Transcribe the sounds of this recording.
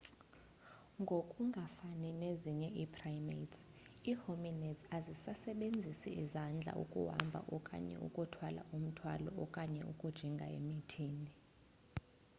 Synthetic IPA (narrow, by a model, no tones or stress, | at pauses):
ŋɡʱokʼuŋɡʱafanineziɲɛʔipʰrajmets | iːhominɛsazisasɛɓend͡zʱisiizand͡ɮʱa̰ʔṵkʼṵwa̰mbʱa̰ʔɔkʼa̰ɲɛ̰ʔṵkʼutʰwala̰um̩tʰwa̰lɔɔkʼaɲɛukʼud̥ʒ̥ʱiŋɡʱaḛmitʰiːni